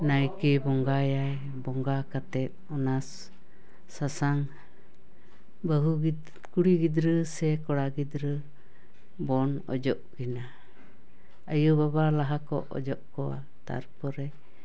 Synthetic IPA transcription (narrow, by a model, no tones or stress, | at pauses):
najkibɔŋɡajaj | bɔŋɡakat̪ɛt̪̚ɔnasː | asaŋ | bəɦuɡ | kuɽiɡid̪ɾəsɛkɔɽaɡid̪ɾə | bɔnɔ̰d͡ʒɔʔkina | əjubabalaɦakɔ̰ʔɔ̰d͡ʒɔʔkɔwa̰ | t̪a̰ɾpɔɾɛ